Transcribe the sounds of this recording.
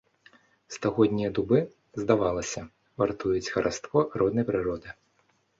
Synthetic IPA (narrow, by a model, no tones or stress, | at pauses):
st̪aɣɔd̪ʲnʲijɐd̪ubɨ | zd̪avalˠɐsʲɐ | vart̪ujut͡sʲɣɐɾʔast̪vɔɾɔd̪nɐjpɾɨɾɔd̪ɨ